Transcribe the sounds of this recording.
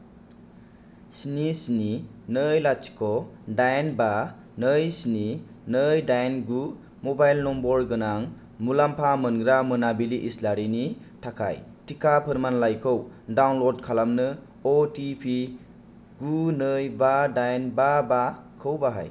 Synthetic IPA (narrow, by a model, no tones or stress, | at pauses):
sinisininɯjlat͡ʃi̥kʰɔdajnba | nəjsini | nɯjdajnɡu | mobajlnɔmbɔdɡɯnaŋ | mulampʰamɯnɡɾamɯnabiliʔislaɾini | tʰakʰa̰jtikapʰɯɾmanlajkʰɯwdawnlɔd̚kʰalamnɯ | ɔtipʰi | ɡunɯjbadajnbabakʰɯwbaɦa̰j